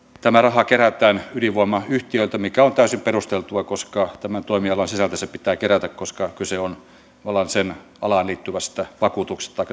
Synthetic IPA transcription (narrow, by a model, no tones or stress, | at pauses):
t̪æmærɑhɑkeræt̪ˑæːnyliʋoemɑyht̪iøilt̪æmikæont̪æysimperust̪elt̪uɑkoskɑt̪æmænt̪oˑimiɑlɑnsisælt̪æsepit̪æːkeɾæt̪ækkoskɑkyseon | ɑlɑnsen | ɑlɑːˑnliːt̪ːyʋæst̪æʋɑkuːt̪uksest̪ɑikː